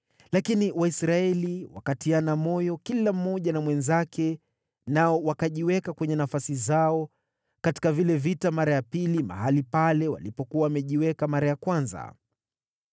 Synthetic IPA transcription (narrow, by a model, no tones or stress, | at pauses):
lakiniwaisɾaɛliwa̰katianamɔjɔkilam̩ːɔʄanamwɛnzakʰɛ | naɔwakaʄiwɛkakwɛɲɛnafasizaɔ | kati̥kavilɛvitamaɾajapilima̰ɦalipalɛwa̰lipɔkuawamɛʄiwɛkamaɾajakwanza̰